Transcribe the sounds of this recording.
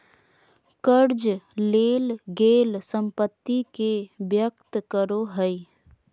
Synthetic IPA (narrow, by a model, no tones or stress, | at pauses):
kəɾd͡ʒleːlɡeːlsə̃mpət̪ːikebjəkt̪kəɾoɦəi